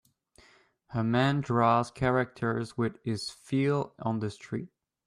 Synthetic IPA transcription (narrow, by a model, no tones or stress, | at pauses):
həmæ̃ndɹɔz̥kʰɛɹɨk̚tʰə˞zwɪðɪz̥filˠə̃n̩ðɨstʰɹ̥ḭt̚